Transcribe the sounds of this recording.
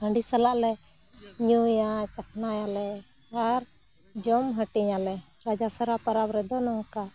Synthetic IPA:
əɳɖisalaʔlɛ | ɲujat͡ʃakʰnajalɛ | aɾ | d͡ʒɔmɦəʈiɲalɛɾad͡ʒasaɾapəɾabɾɛd̪ɔnɔŋka

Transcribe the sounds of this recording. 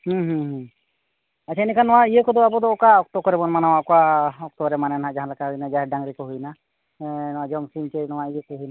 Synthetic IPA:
hũɦũɦũ | at͡ʃʰainikanːɔwaijəkɔd̪ɔabɔd̪ɔːkaɔk̚t̪ɔkɔɾɛbɔnmanawaʔkɔaɔk̚t̪ɔbɾɛmanɛnaɦãʔd͡ʒaɦãlakaɦujnad͡ʒaɦɛɖaŋɾikɔɦujna | nɔwad͡ʒɔmsint͡ʃɛnɔwaʔijəkɔɦujna

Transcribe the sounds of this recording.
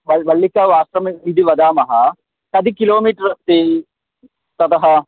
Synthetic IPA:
ʋɐʋɐlːikaːʋaːst̪ɾɐmid̪ʱiʋɐd̪aːmɐɦɐ | kɐd̪ʱikiloːmiːʈɐɾt̪eː | t̪ɐt̪ɐɦɐ

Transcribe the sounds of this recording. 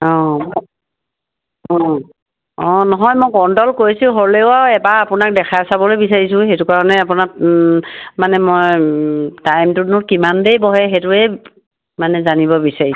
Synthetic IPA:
ɔ̃mɔ | ɔ | ɔ̃nɔɦɔjmojkɔndɔlkoɹisiɦoɹleʊaɛbaapʊnak̚dɛkʰasabɔlojbisaɹis̬ʊ̃ɦetʊkaɹɔnɛapʊna | manɛmoj | tajmtunʊɹkimandejbɔɦɛxetʊɛj | manɛzanibɔbisaɹis

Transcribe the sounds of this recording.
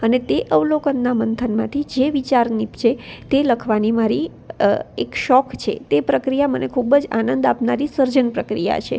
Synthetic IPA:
ənet̪eʔəʋlokənːamənt̪ʰənmãt̪ʰid͡ʒeʋit͡ʃaɾnipt͡ʃʰet̪eləkʰʋanimaɾi | ekʃɔkt͡ʃʰḛt̪epɾəkɾijamənekʰubəd͡ʒa̰nənd̪apnaɾisəɾd͡ʒənpɾəkɾija̰t͡ʃʰḛ

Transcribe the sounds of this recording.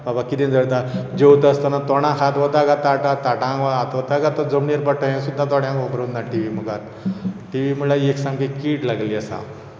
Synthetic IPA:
babakid̪ẽnd͡zəɽt̪ad͡ʑewt̪əst̪anat̪ɔɽ̃ãkʰat̪ʋɔd̪aɡat̪aʈãt̪ːaʈãaat̪ʋɔt̪aɡat̪ad͡zəmniɾpəʈːə̃ɦẽsud̪ʱːãt̪ɔɽjãkobɾond̪ãʈiʋimuɡat̪ | ʈiʋimulaeksamkikiːʈlaɡliasa̰

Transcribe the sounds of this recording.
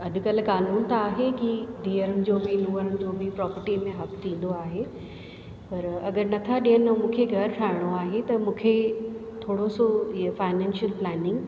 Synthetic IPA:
ɐɗ̪̆kɐl̤kaːnuːnt̪aːɦekid̪iːəɾənɪ̆d͡ʑoːmeːnuəɾənɪ̆d͡ʑoːbɪpɾɔːpəɾʈimẽɦɐkt̪ʰĩːn̆d̪oaːɦe | pɐɾɐɡəɾnɐt̪ʰaɗijənɪmũːkʰeɡʱɐɾʈʰaːɪɽ̃oaːɦet̪ɐmũːkʰet̪ʰoːɽosoiəfaːɪnɛ̃ːnʃəlplɛːnɪ̃ŋɡ

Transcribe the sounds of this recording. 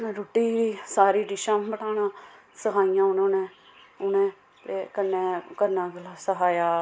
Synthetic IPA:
ɾoːʈiːʋisaːɾiːɖɪʃãːbəʈaːnãː | səɦaːijãːʊnãːnẽː | ʊnẽː | t̪eːkənːeːkəɾnãːɡəlaːsəɦaːjaː

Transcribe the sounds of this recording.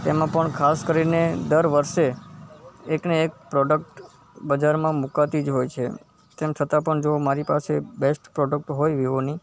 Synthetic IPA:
t̪emãpəɳkʰaskəɾined̪əɾʋəɾʃe | ekneːk̚pɾɔɖək̚ʈ | bəd͡ʒaɾmãmukat̪id͡ʒɦojt͡ʃʰe | t̪emt͡ʃʰət̪apəɳd͡ʒomaɾipasebesʈpɾɔɖək̚ʈɦojʋiʋoni

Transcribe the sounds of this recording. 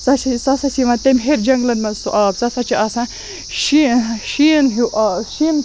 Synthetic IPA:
t͡sɐt͡ʃʰit͡sɐsɐsiʋɐ̃t̪emʲɦeɾd͡ʒɐŋɡlɐnmɐnsuʔaːbt͡sɐsɐt͡ʃʰiɐsã | ʃiʃinɦiʔaːʃin

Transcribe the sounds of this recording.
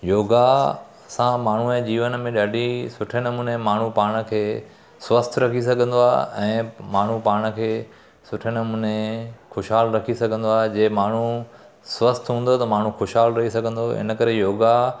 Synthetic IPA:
joːɡa | sãmaːɳ̤uɛ̃ːd͡ʑiːʋənmẽɗaːɖʱisʊʈʰəñəmʊnemaːɳ̤upaːɽ̃ə̆kʰeː | sʋəst̪ʰɾɐkʰis̬ɐɡʱə̃nd̪oaːɛ̃ːmaːɳ̤upaːɽ̃ə̆kʰeː | sʊʈʰɪənmunẽxoːʃɦaːlɾɐkʰisɐɡʱə̃nd̪oaːɦed͡ʑeːmaːɳ̤u | sʋɐst̪ʰɦũːnd̪ot̪ɐmaːɳ̤ũxoːʃɦaːlɾɐɦisɐɡʱə̃nd̪oɪ̰nə̆kɐɾejoːɡa

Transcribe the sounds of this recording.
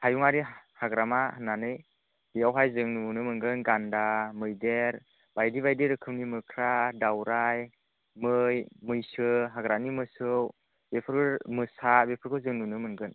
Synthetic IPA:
hajuŋaɾihaɡɾamananɯj | bijawɦajzɯŋnunɯmɯnɡɯnɡandamɯjdeɾ | b̥ajdiβajdiɾɯkʰɯmnimɯkʰɾadawɾaj | mɯjmɯjsɯɦaɡɾanimɯsɯw | bepʰɯɾkʰɯmɯsabepʰɯɾkʰɯwzɯŋnunɯmɯnɡɯn

